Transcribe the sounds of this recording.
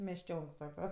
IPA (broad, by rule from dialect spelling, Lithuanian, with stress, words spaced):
mʲɛʃʲˈt͡ʃʲoːŋk ˈsɑːkoː